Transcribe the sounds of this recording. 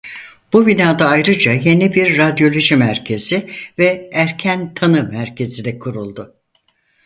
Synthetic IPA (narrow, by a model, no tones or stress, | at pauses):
b̥uvinaːd̪aːjɾɯd͡ʒaje̞nibiɾːad̪jo̞lʲoʒimæɾcʰe̞z̥ivɛæɾcʰænt̪ʰanɯmæɾcʰe̞zid̪ɛkʰuɾulˠd̪ʊ